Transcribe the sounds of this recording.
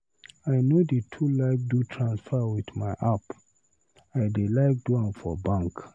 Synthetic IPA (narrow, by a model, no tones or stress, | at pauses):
ajnodetʰulaɪk̚dutʰɹãnsfɛwiθmaɪʔap | ajdelaɪk̚dwãnfɔ̰bãŋk